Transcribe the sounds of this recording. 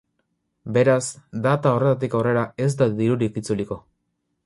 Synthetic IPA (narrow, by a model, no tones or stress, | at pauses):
be̞ɾazd̪at̪ao̞re̞t̪at̪̬ikaore̞ɾae̞zd̪aðiɾuɾikit͡suliko̞